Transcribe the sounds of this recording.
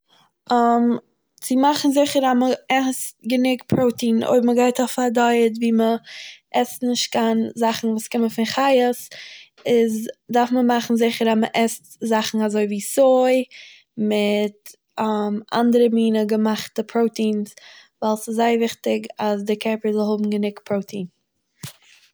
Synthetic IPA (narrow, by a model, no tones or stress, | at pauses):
am | t͡sɪmaχn̩zɪχəɾaməɛstɡənɪkpʰɾoʊtiːno̰ɪbməɡaɪtɔfaɾdɔɪət̬viːməʔɛstnɪʃt̚kanzaχn̩vuːskɪməfɪnχaɪəs | ɪzdaɾfməmaχn̩zɪχəɾaməʔɛstzaχn̩azoɪviːsoɪ | mɪtː | mʔa̰ndəɾəmiːnəɡəmaχtəpʰɾoʊtiːnsvaɪlˠsɪszaɪvɪχtɪɡasdɪkʰɛɾpəzɪlˠɦʊbm̩ɡənɪkpʰɾoʊtʰiːn